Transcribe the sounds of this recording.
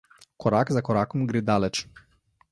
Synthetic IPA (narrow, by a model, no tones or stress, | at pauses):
kɔɾaːkzakɔɾaːkɔmɡɾeːd̪aːlɛt͡ʃ